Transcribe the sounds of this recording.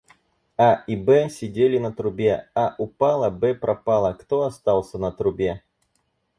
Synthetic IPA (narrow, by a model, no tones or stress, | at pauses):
aibɛsʲɪdʲelʲɪnɐt̪ɾʊbʲeaʔʊpalˠɐbɛpɾɐpalˠɐkt̪oɐst̪alˠsʲənɐt̪ɾʊbʲe